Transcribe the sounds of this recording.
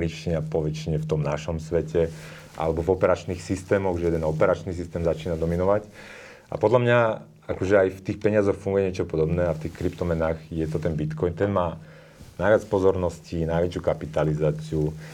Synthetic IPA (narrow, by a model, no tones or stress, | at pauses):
it͡ʃiɲapɔʋɛt͡ʃiɲɛft̪ɔmnaʃɔmsʋɛcɛ | ʔa̰lɛbɔvɔpɛɾat͡ʃniːxsist̪ɛːmɔɣʒɛjɛd̪ɛnɔpɛɾat͡ʃnis̬ist̪ɛːmzat͡ʃiːnad̪ɔminɔʋac | a̰pɔd̪lamɲa | akɔʒɛajft̪iːxpɛɲɪazɔxfuŋɡujɛɲɪɛt͡ʃɔpɔd̪ɔbnɛːaft̪iːxkɾipt̪ɔmɛnaːɣjɛt̪ɔt̪ɛnbit̪kɔjnt̪ɛnmaː | najʋɪat͡spɔzɔɾnɔscinajʋɛt͡ʃukapit̪alizaːt͡siu